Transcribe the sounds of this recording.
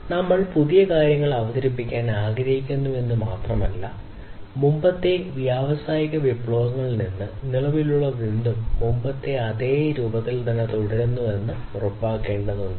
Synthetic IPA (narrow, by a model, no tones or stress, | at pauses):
nɐmːɐɭpuðijɐkaːɾjɐŋːɐɭɐʋɐðɐɾipːikʲːaːnaːɡɾɐɦikʲːunːuʋe̞nːumaːt̪rɐmɐlːɐ | mumbɐt̪ːe̞ʋjaːʋɐsaːjiɣɐʋipːɭoːʋɐŋːɐɭninːɨniɭɐʋiluɭːɐʋind̪umːumbɐt̪ːe̞ɐðe̞ːɾuːbɐt̪ːilt̪ɐnːet̪oɽɐɾenːuʋe̞nːɨ | urɐpːaːkːe̞ːɳɖɐðunːu